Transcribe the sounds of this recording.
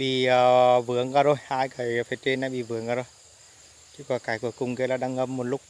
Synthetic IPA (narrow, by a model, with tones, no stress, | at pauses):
ɓḭ˧˨˩əː˨˩vɨ˨˦əŋkaː˧˩zo˧˩jhaː˧jkə˨˩jfe˧˩t͡ɕe˧naː˨˦jɓḭ˧˨˩vɨ˨˦əŋkaː˧˩o˧j | t͡ɕɨ˧˦kɔ˨˧˩kaː˨˩jku˧˩əkʊ˨˩ŋ͡mke˨˧˦laː˨˩ɗa˧ŋʔə˧mːo˨˩t̚lʊ˦˥k͡p̚